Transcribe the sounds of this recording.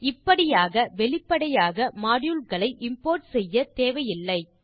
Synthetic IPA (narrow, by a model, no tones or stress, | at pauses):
ɪpːɐɽɪjaːɣɐʋɛɭɪpːɐɽɐjaːɣɐmaːɽjɯlkɐɭɐɪʔɪmpoːɾʈsɛjːɐt̪eːʋɐjɪlːɐɪ